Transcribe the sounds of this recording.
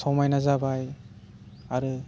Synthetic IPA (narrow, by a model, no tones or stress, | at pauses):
sɔwmajnazabaj | aɾɯ